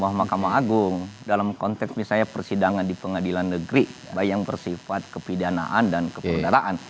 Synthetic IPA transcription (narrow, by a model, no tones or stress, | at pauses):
mamahkamaɦaɡʊŋdalamkɔnt̪ɛksmisajapərsidaŋandipəŋadilanːəɡɾibajaŋbərsifat̪̚kəpidana̰ʔandankəpədaɾaʔan